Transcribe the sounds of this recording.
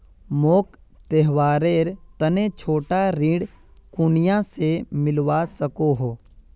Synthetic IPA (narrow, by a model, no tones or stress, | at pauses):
moːk | t̪eɦʋaːɾeːɾt̪ənet͡ʃʰoːʈaɾĩːɽkʊnɪjãsemɪlwasəkoɦoː